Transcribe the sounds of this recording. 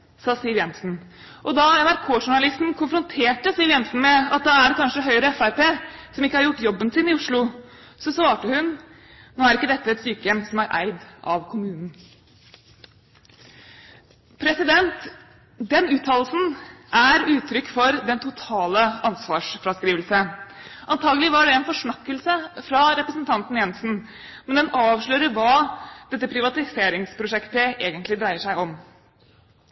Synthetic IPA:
sɑːsɪlʋjɛnsn̩ | ʔɔd̪ɑɛnæɾkʰoːʂʊɳɑlɪst̪n̩kʰʊnfɾʊnt̪ʰeːʈəsɪlʋjɛnsn̩mɛɑt̪̚d̪ɑæɖɛkʰɑnʂəɦœʏəɾəɛfæɾpeːsɔmɪkːəhɑɾjʊʈːjɔbːənsɪnɪʊʂɭʊ | sɔsʋɑːʈəhʉn | noːæɾɪkːəd̪ɛt̪ːəɛt̪st̪yːkəjɛmsɔmæɾʔæ̰ɪd̪ʔɑ̰ʋkʰʊmʉːnn̩ | pʰɾɛsɪd̪ɛnt̪ | d̪ɛnʉːt̪ʰːɑːlsn̩ʔæɾʉːt̪ʰɾʏkːfɔɾd̪ɛnt̪ʰʊt̪ʰɑːləɑnsʋɑːʂfɾɑskɾiːʋəlsəʔɑnt̪ʰɑːɡəlɪʋɑɖɛɛnfɔʂɳɑkːəlsəfɾɑɾɛpɾəsnt̪ʰɑnt̪n̩jɛnsn̩ | mɛnd̪ɛnɑːʋʂɭœːɾəɾʋɑːd̪̥ɛt̪ːəpʰɾɪʋɑt̪ɪseːɾɪŋspʰɾʊʂɛkt̪əeːɡənt̪lɪd̪ɾæɪəʂæɪɔm

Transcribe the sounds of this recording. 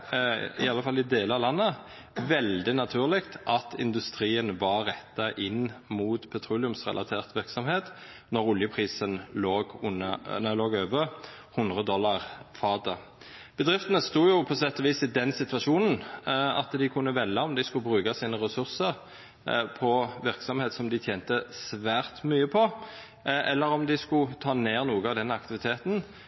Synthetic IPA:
ɪɑlːəfɑlɪd̪eːləɑlɑnːə | ʋɛld̪ɪnɑt̪ʰʉːʁlɪkt̪ʔɑt̪ɪ̰nd̪ʉst̪ɾiːənʋɑʁʁɛt̪ːɑʔɪnːmuːt̪pʰɛt̪ʰɾuːlɪʉmsʁɛ̰lʔɑt̪ʰeːʁt̪ʋɪʁksɔmheːt̪ | nɔʁʊljəpʰʁiːsənloːɡʊn̰nɑloːɡøːʋə | hʊnd̪ʁəd̪ɔlːɑʁfɑːd̪ə | b̥əd̪ʁɪft̪ənəst̪uːjʊpʰɔsɛt̪ːɔʋiːsɪd̪ɛnsɪt̪ʋɑʂuːnn̩ɑ̰t̪d̪ɪkʰʊnːəʋɛljɑɔmd̪æɪskʊbʁʉːkɑsiːnəʁɛsʉʁsəʁ | pʰɔʋɪʁksɔmheːt̪sɔmd̪ɪt̪ʰjeːnt̪əsʋæːʁt̪myːəpʰɔ | ʔɛlːəɾɔmd̪ɪskʊt̪ʰɑːneːʁnuːɡəɑʋd̪ɛnːɑkt̪ɪʋɪt̪ʰeːt̪n̩

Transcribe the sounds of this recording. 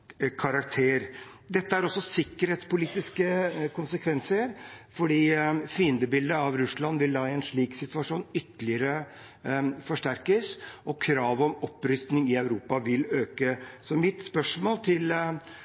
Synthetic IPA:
kʰɑɾɑkt̪ʰeːɾd̪ɛt̪ːəæɾɔsːɔsɪkːəɾheːt̪spʊliːt̪ɪskəkʰʊnsəkʰʋɛnsəɾfɔɖiːfiːənd̪əbɪld̪əɑʋɾʉslɑnʋɪld̪ɑːɪɛnʂɭiːksɪt̪ʉɑʂuːnʏt̪ːəlɪəɾə | fɔʂʈæɾkəsʔɔkʰɾɑːʋɔmɔpːɾʏst̪nɪŋɪœʉɾuːpɑʋɪløːkəsɔmɪt̪spœʂmoːlt̪ʰɪl

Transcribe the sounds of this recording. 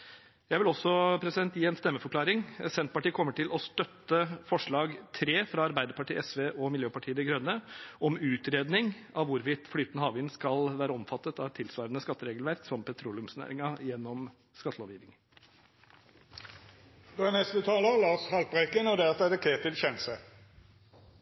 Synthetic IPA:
jæɪʋɪlɔsːɔpʰɾɛsɪd̪ɛnt̪jiːɛnst̪ɛmːəfɔkʰlɑːɾɪŋsɛnt̪̚pɑʈiːkʰɔmːəʈʰɪlɔst̪œt̪ːəfɔʂɭɑːɡt̪ʰɾeːfɾɑɑɾbæɪd̪əɾpɑʈʰiːɛsʋeːʔɔmɪljøːpɑʈʰiːəd̪ɛɡɾœnːəʔɔmʉːt̪ɾeːd̪nɪŋɑʋʋʊɾʋɪt̪flyːt̪ənəhɑːʋɪnskɑlʋæːɾəɔmfɑt̪ːət̪ɑʋt̪ʰɪlsʋɑːɾənəskɑt̪ːəɾeːɡəlʋæɾksɔmpʰɛt̪ʰɾuːlʉmsnæ̰ːɾɪŋɑjɛnːɔm | skɑt̪əloːʋjiːʋɪŋ | ɛnɛst̪ət̪ʰɑːləəlɑːshɑlt̪̚bʁekənɔd̪eːt̪ɛd̪əkʰeːt̪ʰɪlçɛnəsə

